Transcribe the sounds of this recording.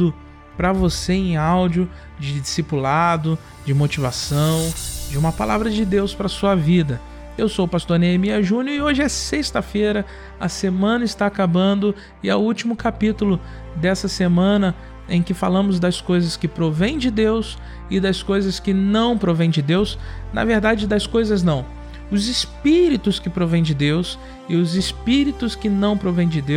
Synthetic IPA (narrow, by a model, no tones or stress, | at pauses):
ʊ | pɾɐvoseẽj̃awd͡ʒiʊ | d͡ʒɪd͡ʒisipulad̪ʊ | d͡ʒɪmot͡ʃivasɐ̃w̃d͡ʒɪũmɐpalavɾɐd͡ʒɪd̪ewspɾɐsuɐvid̪ɐ | ewsowpast̪oɾneemiɐʒũnʊɪoʒɪɛsest̪ɐfeɾɐ | ɐsemɐ̃nɐɪst̪aːkabɐ̃nd̪ʊ | ɪɐwuwt͡ʃimʊkapit̪ulʊ | d̪ɛsɐsemɐ̃nɐ | ẽj̃kɪfalɐ̃mʊzd̪ɐskojzɐskɪpɾovẽj̃d͡ʒɪd̪ews | ɪd̪ɐskojzɐskɪnɐ̃w̃pɾovẽj̃d͡ʒɪd̪ewsnɐ̰veɾd̪ad͡ʒɪd̪ɐskojzɐznɐ̃w̃ | ʊzɪspiɾit̪ʊskɪpɾovẽj̃d͡ʒɪd̪ews | ɪʊzɪspiɾit̪ʊskɪnɐ̃w̃pɾovẽj̃d͡ʒɪd̪ew